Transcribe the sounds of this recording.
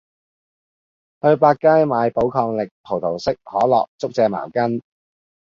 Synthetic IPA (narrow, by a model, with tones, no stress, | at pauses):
hɵ˧ɥpaː˧t̚kːaː˥jmaː˨˧˥jpo˨˥wkʰɔː˧ŋlɪ˨k̚pʰo˨˩wt̪ʰo˨˩wsɪ˥k̚hɔː˨˥lɔ̰ː˨k̚t͡sʊ˥k̚t͡sɛː˧ma̰ː˨˩wkɐ˥n